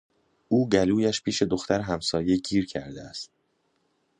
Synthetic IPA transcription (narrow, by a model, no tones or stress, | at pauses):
ʔuːɡæluːjæʃpʰiːʃe̞d̪oxt̪æɾɦæmsɒːje̞cʰiːɾcʰæ̰ɾd̪eæst̪̚